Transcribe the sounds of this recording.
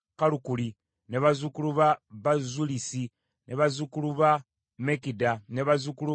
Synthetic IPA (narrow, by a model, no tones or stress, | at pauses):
kalukuli | neβazukuluβaβazulisi | nʔeβazukuluβa | mekidaneβazukulu